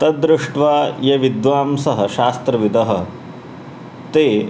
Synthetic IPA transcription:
t̪ɐd̪ɾɪʂʈʋaːjɐʋid̪ʋaːmsɐɦɐʃaːst̪ɾɐʋid̪ɐɦɐ̆ | t̪eː

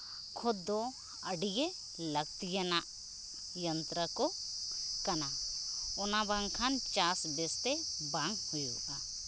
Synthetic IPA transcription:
kʰʊd̪o | əɖije | ləɡ̚t̪ijənaʔ | jənt̪ɾəko | kɐnaɔnabãŋkʰant͡ʃasbest̪ɛbaŋɡhujuʔa

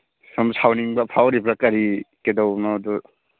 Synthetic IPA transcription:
sɔmsʰawniŋbapʰawɾibʰɾakaɾikedɔwnɔdu

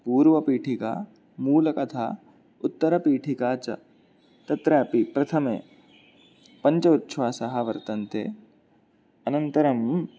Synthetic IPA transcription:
puːɾʋɐpiːʈʰika̰ː | muːlɐkɐt̪ʰa̰ː | ʊt̪ːɐɾɐpiːʈʰikaːt͡ʃɐ̰ | t̪ɐt̪ɾɐːpipɾɐt̪ʰɐmḛː | pɐɲt͡ʃɐut̪ːʃʰʋaːsɐɦɐʋɐɾt̪ɐnt̪ḛː | ɐnɐnt̪ɐɾɐm

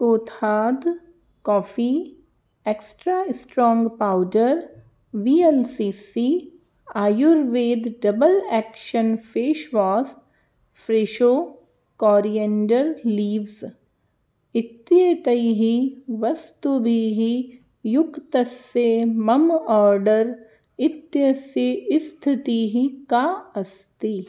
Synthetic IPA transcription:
oːt̪aːd̪ | kɔːfiː | eksʈɾaːɪsʈɾɔ̃ːŋɡpaːʊɖəɾ | ʋiːelsiːsi | aːjʊɾʋeːd̪ɖɐbəlɛːkʃənpʰeːʃʋaːs | pʰɾeːʃoː | kɔːɾiẽɳɖəɾliːʋz | ɪt̪jət̪ɐiɦiʋɐst̪ubʱiɦi | jʊkt̪ɐsemɐmɔːɾɖəɾ | ɪt̪jɐsjəɪst̪ʰɪt̪iɦikaɐst̪i

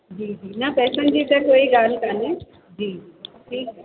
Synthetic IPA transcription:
d͡ʑiːd͡ʑiːnɐpɛːsə̃nd͡ʑiːt̪ekoːiɡaːnkane | d͡ʑiːd͡ʒiːʈʰiːkɛ

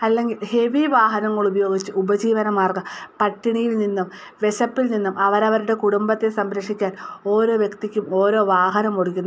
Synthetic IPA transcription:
ɐlːe̞ŋɡilhe̞ʋiʋaːɦɐnɐŋːɐɭubɐjo̞ːɡit͡ɕːɨʔubɐd͡ʑiːʋɐnɐmːaːrɡɐpɐʈːiɳijilninːum | ʋe̞ɕɐpːilninːumʔɐʋɐɾɐʋɐɾuɽe̞kuɽumbɐt̪ːe̞sɐmɾɐʂikʲːaːno̞ːɾo̞ːʋjekt̪ikʲːumo̞ːɾo̞ːʋaːɦɐnɐmko̞ɽukʲːunː

